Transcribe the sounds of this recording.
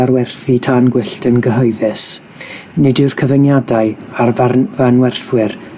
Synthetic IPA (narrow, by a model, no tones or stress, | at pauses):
arwɛrθitʰaːnɡwɪɬtənɡəɦɔɨðɛs | nɪdɪrkʰəvənjadaɨjarvvanwɛrθwɪr